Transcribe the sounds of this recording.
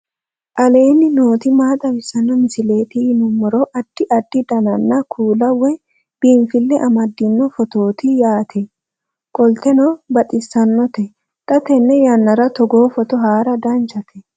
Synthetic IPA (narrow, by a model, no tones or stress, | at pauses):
ʔɐle̞ːnɪno̞ːt̪ɪmaːt̪ʼɐwɪsːɐnːɔmɪsɪle̞ːt̪ɪnʊmːɔɾɔʔɐd̪̥ːɪʔɐd̪ːɪd̪ɐnɐnːɐkʰuːlɐwɛ | b̥iːɱfɪlːɛʔɐmɐd̪ːɪnːɔfɔt̪o̞ːt̪ɪjaːt̪ʰɛ | kʼɔlt̪ɛnɔbɐt̪ʼɪsːɐnːɔt̪ɛ | t̪ʼɐt̪ɛnːɛjɐnːɐɾɐt̪ɔɡoːfɔt̪ɔɦaːɾɐd̪ɐnt͡ʃɐt̪ʰɛ